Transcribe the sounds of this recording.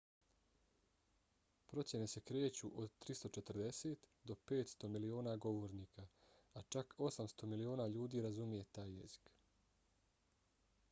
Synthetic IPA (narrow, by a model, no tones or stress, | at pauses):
pɾo̞t̪sʲje̞ne̞se̞kɾe̞ːt͡ɕuʔod̪t̪ɾist̪o̞t͡ʃet̪ɾd̪e̞se̞ːt̪d̪o̞pe̞ːt̪st̪o̞milioːnaɡo̞ʋo̞ɾniːkʰaat͡ʃakʰo̞samst̪o̞milioːnaːʎuːd̪iːɾazumije̞t̪aːjːe̞̰zi̥k